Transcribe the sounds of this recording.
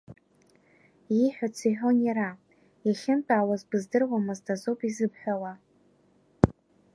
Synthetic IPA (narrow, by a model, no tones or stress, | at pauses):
iħᶣat͡sʰiħᶣonjaɾa | jaχʲɪntʼaːwazbɨzdɨrwʷamɨzdazopʼizɨpħᶣawa